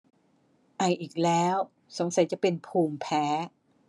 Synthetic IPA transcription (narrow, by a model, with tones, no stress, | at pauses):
ʔa˨˩jʔiː˨˩k̚lɛː˦˥w | so˩˦ŋsa˨˩˦jt͡ɕa˨˩pe˧npʰuː˧˩mpʰɛː˦˥